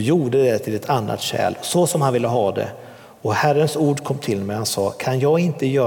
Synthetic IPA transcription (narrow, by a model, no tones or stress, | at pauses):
juːɖəd̪ɛt̪ʰɪlɛt̪ʰanːa̰t̪ɕɛ̰ːlsɔsɔmhanvɪlːəɦɑːd̪ɛ̰ | ɔhærənsuːɖkʰɔmːt̪ʰɪlmɛjhansɑːkʰanjɑːɡɪnt̪əjœː